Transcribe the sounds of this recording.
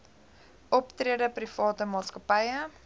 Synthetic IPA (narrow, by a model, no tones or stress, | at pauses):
ʔɔptriədəprifɑːtəmɑːskəpɐjə